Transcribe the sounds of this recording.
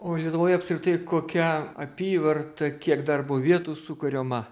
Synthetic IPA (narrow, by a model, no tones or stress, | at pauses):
oːlʲiɛt̪ʊʋoːjɐpskɾʲɪt̪ɐɪkoːkʲɛɐpʲiːʋɐrt̪ɐkʲiɛkd̪ɐrboʋʲiɛt̪uːsʊkɐɾʲoːmɐ